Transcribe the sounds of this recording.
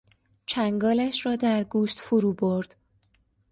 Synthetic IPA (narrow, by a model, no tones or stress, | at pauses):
t͡ʃʰæŋɡɒːlæʃrɒːd̪æɾɡuːʃt̪foɾuːboɾd̪̥